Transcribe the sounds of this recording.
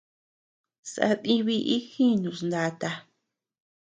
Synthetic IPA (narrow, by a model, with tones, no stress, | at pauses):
sa̰˧ðĩ˧βi˧ʔi˦xĩ˦nũ˨˧˨snd̪a˧t̪a˧